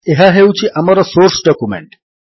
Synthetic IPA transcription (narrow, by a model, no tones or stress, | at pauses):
eɦaɦewt͡ɕʰiʔamaɾɔsoɾsɖɔkumḛɳʈ